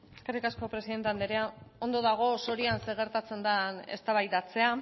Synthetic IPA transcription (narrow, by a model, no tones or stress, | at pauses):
e̞skerikasko̞pɾeiðe̞nt̪eand̪eɾeao̞nd̪o̞ðaɣ̞o̞so̞ɾianse̞ɣ̞e̞ɾt̪at͡se̞nd̪ane̞̰st̪aβajd̪at͡se̞a